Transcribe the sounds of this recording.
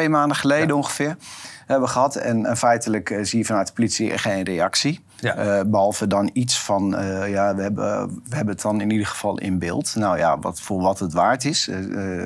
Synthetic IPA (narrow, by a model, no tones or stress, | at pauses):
ejmaːndəχəlejdəoŋχəfɪːrhɛbʋəχəɦɑtɛ̰nfɛjtələkziːəfɑnœɥtə̥politsiɛ̰χeːnrejɑksi | bəɦɑlˠvədɔnitsfɔnjaʋəɛbə̰ʋəɦɛbənətɔnɪnidərχə̥fɑlˠʔɪ̰nbɪ̰ːlˠtnawja̰ʋ̰fʊːɹʋɔtətʋaːɹtɪs